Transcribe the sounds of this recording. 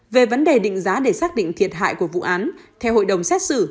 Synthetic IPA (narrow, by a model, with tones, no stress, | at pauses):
ve˨˩və˨˦nɗe˨˩ɗḭ̈˧˨ŋ̟zaː˨˦ɗe˧˩saː˦˥k̚ɗḭ˧˨ŋt̪ʰi˨˩ət̚ɦa̰ː˧˨jku˧˩əvṵ˧˨ʔaː˨˦nt̪ʰɛ˧who̰˧˨jɗə˨˩wŋ͡msɛ˦˥t̚sɨ̰˧˩